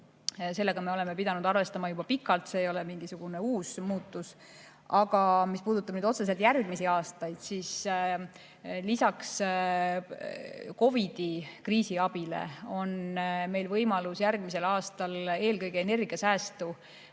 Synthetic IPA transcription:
se̞lːe̞ɡ̥ɑme̞o̞leme̞pid̪ɑnud̪ɑrve̞st̪ɑmɑjub̥ɑpikːˑɑlt̪se̞ːjo̞lemiŋɡ̥isuɡ̥une̞uːsmuːt̪ːˑus | ɑɡ̥ɑmispuːd̪ut̪ːˑɑb̥nyːd̪o̞t̪se̞s̬elt̪jærɡ̥misiɑːst̪ɑjd̪̥siːs | lisɑks | ko̞vid̪̥ikriːsiɑb̥ile̞̰o̞nme̞jlvɤjmɑlusjærɡ̥̚mis̬e̞lɑːst̪ɑle̞ːlkɤjɡ̥eene̞rɡ̥iɑsæːst̪u

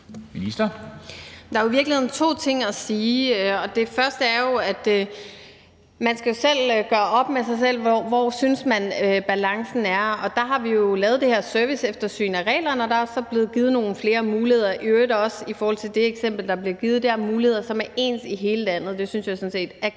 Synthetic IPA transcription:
minisd̥ɐ | d̥ɑ̈æoiʋiɐɡlihe̝ðˠn̩t͡sʰo̝̰ːt͡sʰe̝ŋ̰æsiːɒ̽d̥e̝fɶɐsd̥əæɐjo̝æd̥ | mænsɡ̥æjo̝sel̰ɡ̥ɶːɐʔɒ̽b̥mesɑ̈ɪs̬el̰ʋɒʋɒsynsmænøb̥ælɑ̈ŋsn̩æɐɒ̽d̥ɑ̈ɦɑ̈ʋijo̝lɛːð̞̩ˠd̥e̝heɐ̰søɐʋisefd̥ɐsy̰ːnæʁɛ̰ːlɐnɒ̽d̥ɑ̈æsɒ̽b̥le̝ːð̩ˠɡ̥iːð̞̩ˠno̝ːn̩fle̝ːɐmuːlihe̝ð̰ˠɐʔød̥ɒ̽sifɒːhɒ̽l̰t͡sʰe̝ld̥e̝eɡ̥sem̰b̥l̩d̥ɑ̈b̥liɐɡ̥ið̞̩ˠd̥eɐmuːlihe̝ð̰ˠɐsɒ̽mæɐʔe̝̰ːnsiɦe̝ːləlænð̞̩ˠd̥e̝synsjɑ̈ɪsɔ̽nse̝̰ːd̥æ

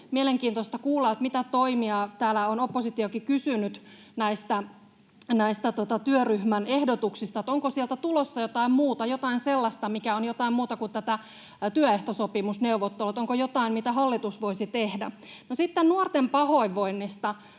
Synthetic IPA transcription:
mieleŋkiːnt̪ost̪ɑkuːlːɑːt̪mit̪æt̪oimiɑt̪æːlæonopːosit̪iokikysynyt̪ | næist̪æ | næist̪æt̪ot̪ɑt̪yøryhmænehdot̪uksist̪ɑet̪oŋkosielt̪æt̪ulosːɑjot̪ɑimmuːt̪ɑjot̪ɑinselːɑst̪ɑmikæonjot̪ɑimmuːt̪ɑkut̪t̪æt̪æ | t̪yøeht̪osopimusneuʋot̪ːelut̪oŋkojot̪ɑimmit̪æhɑlːit̪usʋoisit̪ehdæ̰ | nosit̪ːennuort̪empɑhoiʋːoinːist̪ɑ

